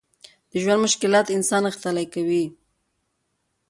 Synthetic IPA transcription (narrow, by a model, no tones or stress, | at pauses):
d̪̥əʒwand̪mʊʃkɪlɑt̪ɪnsɑnaxst̪alajkawi